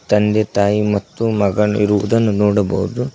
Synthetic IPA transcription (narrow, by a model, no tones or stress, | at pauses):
t̪ɐnd̪et̪aːjimɐt̪ːumɐɡɐɳiɾuʋɐd̪ɐnːunɔːɽɐbɐɦud̪u